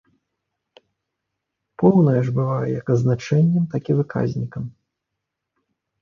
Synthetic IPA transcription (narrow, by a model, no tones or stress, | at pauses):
pɔwnɐjɐʐbɨvajɛjɐkɐznat͡ʂɛnʲːɛmt̪akʲivɨka̰zʲnʲikɐm